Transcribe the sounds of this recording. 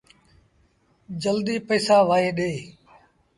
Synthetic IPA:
d͡ʒəld̪iːpəːsaːʋaːeːɗeː

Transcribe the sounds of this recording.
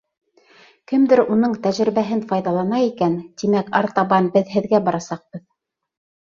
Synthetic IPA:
kɘmd̪ɘɾunɤɴt̪æʒɾɘ̆βæɦɘnfɑjðɑlˠɑnɑikænt̪imækɑ̰ɾt̪ɑβɑnbɘðɦɘ̆ðɡæbɑɾɑsɑq̚bɤð

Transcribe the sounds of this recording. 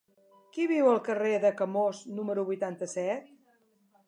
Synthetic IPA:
kiβiwəlˠkəreðəkəmoznuməɾuβujt̪ant̪əsɛt̪̚

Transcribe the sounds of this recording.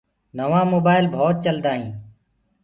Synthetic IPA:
nəʋãːmoːbaːɪlbʱoːt̪̚t͡ʃəld̪aːɦĩː

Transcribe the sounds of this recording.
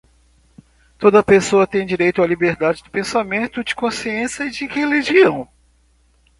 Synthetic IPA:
t̪od̪ɐpesoɐt̪ẽj̃d͡ʒiɾejt̪ʊalibeɾd̪ad͡ʒɪd̪ʊpẽsamẽnt̪ʊd͡ʒɪkõsiẽsɐɪd͡ʒɪheliʒiɐ̃w̃

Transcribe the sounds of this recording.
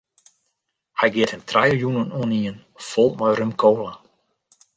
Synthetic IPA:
hɛjɡɪəthəmtʰrajəjunənuniən | fɔlˠmɔjrømkʰoːla

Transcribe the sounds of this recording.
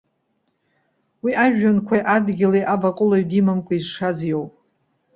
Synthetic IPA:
wiʔaʒᶣankʷʰajʔadɡʲɪlejʔabakʼʊlaɥdimamkʷʼaizʂazjowpʼ

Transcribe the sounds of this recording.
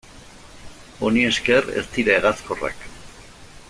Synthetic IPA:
o̞nie̞skere̞̰st̪iɾaeɣat͡sko̞ra̰k

